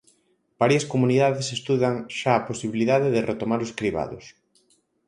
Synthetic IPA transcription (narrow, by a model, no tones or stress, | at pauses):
b̥aɾjɐskomuniðaðesest̪uðaŋʃaːposiβiliðaðeðɪret̪omaɾʊskɾiβa̰ðʊs